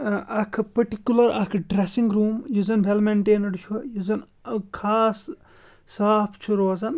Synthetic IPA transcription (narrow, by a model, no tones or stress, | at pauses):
ɐkʰpɐʈikʲjulɐɾɐkʰɖɾesiŋɡɾuːmjuzɐnbʱelmeɳʈeːnɐɖt͡ʃʰujuzɐn | kʰaːsː | aːpʰt͡ʃʰuɾoːzɐn